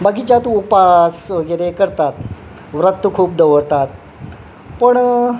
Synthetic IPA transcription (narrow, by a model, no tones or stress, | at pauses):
baɡit͡ɕjat̪uːpasʋəɡəɾekəɾt̪at̪ | ʋɾət̪ːukʰuːp̚d̪əʋəɽt̪at̪̚ | pəɳ